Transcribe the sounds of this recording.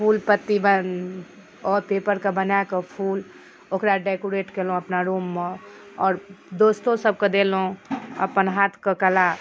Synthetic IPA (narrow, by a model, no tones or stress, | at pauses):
pʰuːlpət̪ːibən | ɔːɾpepəɾkebənjakəpʰul | okɾaɖekoɾeʈkelɦũəpnaɾuːmːe | ɔːɾd̪oːst̪õsəb̚kəd̪elɦũə̰pənɦat̪ʰkəkəla